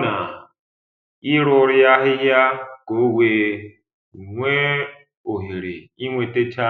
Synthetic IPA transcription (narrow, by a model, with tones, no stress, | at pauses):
na˨ | i˦ɺɔ˦ɾi˦ja˦ɦi˦ja˦kʼo˦we˨ | ŋwɛ˦ | o˨ɦi˨ɾe˨i˦ŋwɛ˨tʼe˦t͡ʃʰa˦